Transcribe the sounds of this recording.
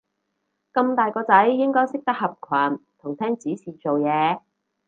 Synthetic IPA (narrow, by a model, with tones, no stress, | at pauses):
kɐ˧mt̪aː˨jkɔː˧t͡sɐ˨˥jːɪ˥ŋkɔː˥jsɪ˥k̚t̪ɐ˥k̚hɐ˨p̚kʰwaː˨˩nt̪ʰʊ˨˩ŋt̪ʰɛː˥ŋt͡siː˨˥siː˨t͡so˨wjɛː˨˧